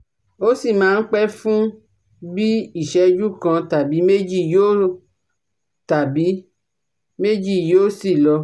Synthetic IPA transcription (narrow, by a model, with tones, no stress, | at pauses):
o˦si˦˨mãː˨˦˧n̩˦k͡pɛ˦fũ˦ | bi˦i˦˨ʃɛ˨˧d͡ʒu˦kã˧ta˨bi˨˦me˦d͡ʒi˦˨joː˦ | ta˨bi˨˦ | me˦d͡ʒi˦˨joː˦si˦˨lɔ˧